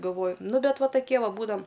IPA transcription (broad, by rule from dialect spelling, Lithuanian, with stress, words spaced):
ɡɐlˠˈʋoːjʊ ˈnʊ bʲɛt ˈʋɐ tɐˈkʲiɛ ˈʋɐ ˈbuːdɐm